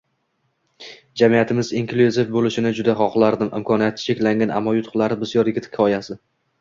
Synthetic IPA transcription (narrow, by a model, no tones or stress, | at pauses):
d͡ʒamijat̪ʰɪmɪziŋkluzɪfbolɪʃɪnɪd͡ʒʊd̪aχɒqlˠaɾd̪ɪmɪ̰mkʰɒnijat̪̚ːɪ̥t͡ʃʰe̞kʲlaŋɡʲana̰mːɒjʊt̪ʰʊ̥χlˠaɾɪbɪzjɒɾjɪɡʲɪt̪kʲʰɒjasɪ